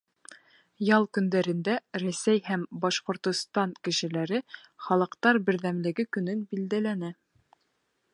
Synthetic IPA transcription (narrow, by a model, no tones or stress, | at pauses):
jɑlˠkɵ̆nd̪æɾɘ̆nd̪æɾæsæjhæmbɑʃqŏɾt̪ŏst̪ɑŋkɘ̆ʃɘ̆læɾɘχɑlˠɤ̆qt̪ɑɾbɘ̆ɾðæmlɘ̆ɡɘkɵ̆nɵnbild̪ælænɘ